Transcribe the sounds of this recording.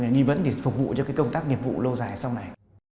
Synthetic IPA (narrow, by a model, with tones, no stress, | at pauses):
ɲaː˨˩ɗi˧və̰˧˥nɗe˧˩fʊ˨˩k͡p̚vṵ˧˨t͡ɕɔ˧kaː˨˦jkə˧wŋ͡mt̪aː˦˥k̚ni˨˩əp̚vṵ˧˨lə˧wzaː˨˩jsa˧wna˨˩j